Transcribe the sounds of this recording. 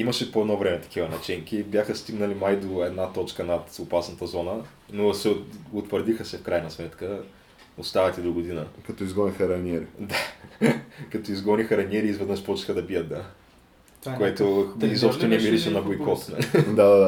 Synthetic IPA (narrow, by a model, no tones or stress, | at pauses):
imɐʃɛpoɛd̪nɔvɾɛmɛt̪ɐ̥kʰivɐnɐt͡ʃɛŋkibjaxəst̪iɡnəlimajd̪oɛd̪nat̪ɔt͡ʃkənɐt̪opasnɐt̪ɐzɔnə | nosɛoʊt̪vəɾd̪ixəsɛfkɾajnɐsmɛt̪kə | ost̪avɐt̪ɛd̪oɡod̪inəkɐt̪ɔizɡɔnixəɾɐniɛɾid̪a | kɐt̪oizɡɔnixɐɾɐnʲɛɾiːzvəd̪əʃpɔt͡ʃi̥xəd̪ɐbiət̪̚d̪a | koɛt̪ʊizɔpʃt̪ɛnɛmiɾiʃɛnɐbojkɔt̪nɐ̰d̪ad̪ad̪a